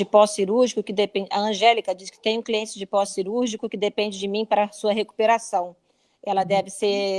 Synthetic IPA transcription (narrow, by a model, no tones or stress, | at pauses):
ɪpɔsiɾuɾʒikʊkɪd̪epẽd͡ʒɐɐ̃ʒɛlikɐd͡ʒiskɪ̥t̪ẽj̃ũkliẽt͡ʃɪd͡ʒɪpɔsːiɾuɾʒikʊkɪd̪epẽnd͡ʒɪd͡ʒɪmĩpaɾɐsuɐɦeku̥peɾasɐ̃w̃ | ɛlɐd̪ɛvɪse